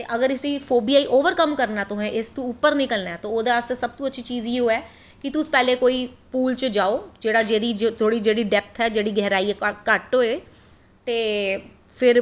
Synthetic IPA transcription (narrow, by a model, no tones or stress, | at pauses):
t̪eːʔəɡəɾɪsĩːpʰoːbiːaːiʔoːʋəɾkəmkəɾnaːt̪ʊɦɛ̃ːʔɪst̪ũʊpːəɾnɪkəlnaɛːt̪õːoːd̪eːəst̪eːsəb̚t̪ũːətːʃʰiːt͡ʃiːziɦoːɛː | kɪt̪ʊspɛːleːkoːiːpuːlt͡ʃəd͡ʒaːoːd͡ʒeːɽaːd͡ʒeːd̪iːt̪ʰoːɽiːd͡ʒeːɽiːɖɛːp̚t̪ʰɦɛːd͡ʒeːɽiːɡɛɦɾaːiːɛːkəʈoːeː | t̪eː | pʰɪɾ